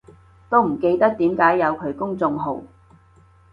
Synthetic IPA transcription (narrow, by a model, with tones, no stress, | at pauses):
t̪o˥wm̩˨˩ke˧jt̪ɐ˥k̚t̪iː˨˥mkaː˨˥jːɐ˨˧wkʰɵ˨˧˥ɥkʊ˥ŋt͡sʊ˧ŋɦo̰˨˩w